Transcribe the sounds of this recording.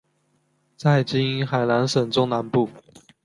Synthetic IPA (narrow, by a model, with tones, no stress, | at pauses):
t͡sa˥˩ɪt͡ɕi˥xa˨˩ɪna˧˦nʂə˨˩ŋʈ͡ʂʊ˥ŋna˧˦npu˥˩